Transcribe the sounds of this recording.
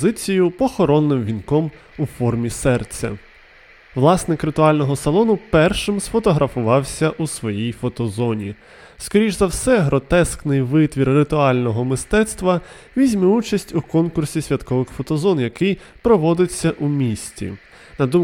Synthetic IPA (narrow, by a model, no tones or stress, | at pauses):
zɪt͡sʲijʊpɔxɔɾɔnːɪmʋʲinkɔm | ufɔrmʲisɛrt͡sʲːɐ̰ | ʋlˠɑsnɪkɾɪt̪ʊɑlʲnɔɦɔsɐlˠɔnʊpɛrʃɪmsfɔt̪ɔɦɾɐfʊʋɑwsʲɐʔusʋɔjijfɔt̪ɔzɔnʲi | skɔɾʲiʒzɐwsɛɦɾɔt̪ɛsknɪjʋɪt̪ʋʲirːɪt̪ʊɑlʲnɔɦɔmɪst̪ɛt̪st̪ʋɐ | ʋʲizʲmɛut͡ʃɐsʲtʲukɔnkʊrsʲisʲʋʲɐt̪kɔʋɪxfɔt̪ɔzɔnjɐkɪj | pɾɔʋɔd̪ɪt͡sʲːɐʔumʲisʲtʲḭ | nɐd̪um